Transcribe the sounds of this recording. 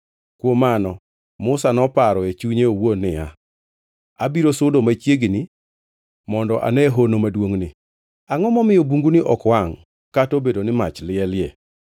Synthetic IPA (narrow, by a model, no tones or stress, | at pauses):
kwomanɔ | mʊsanɔpaɾɔet͡ʃuɲeowonɪa̰ | abiɾosʊdomat͡ʃjeɡni | mɔndɔʔa̰nɛɦonomadwoŋnɪ | aŋɔmɔmɪjobuŋɡunɪʔɔkwaŋ | katobedonɪmat͡ʃlɪɛlɪjɛ